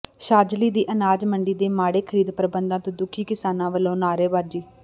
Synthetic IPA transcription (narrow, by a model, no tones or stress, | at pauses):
ʃaːd͡ʒliːd̪iːʔənaːd͡ʒməɳɖiːd̪eːmaːɽeːkʰəɾiːd̪pəɾbənd̪ãːt̪õːd̪ʊkʰːiːkɪsaːnãːʋəlːõːnaːɾeːbaːd͡ʒiː